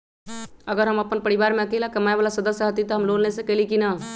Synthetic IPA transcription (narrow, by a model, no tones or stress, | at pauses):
əɡəɾɦəməpənpəɾiβaɾmeəkelakəmaebalasəd̪əsjəɦət̪it̪ɔɦəmlonesə̃kɛlikina